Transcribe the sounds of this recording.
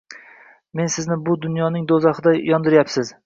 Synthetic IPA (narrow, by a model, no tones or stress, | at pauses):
me̞nsɪznɪbʊd̪ʊnjɒnɪŋd̪ozɑχɨd̪ajɒnd̪ɪɾjapsɪz